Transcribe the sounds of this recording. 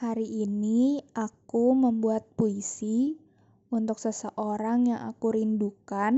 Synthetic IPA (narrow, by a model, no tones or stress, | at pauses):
haɾiʔːniʔakuməmbuat̪̚puisi | unt̪ʊk̚səsəʔoɾaŋjaŋʔa̰kuɾindukan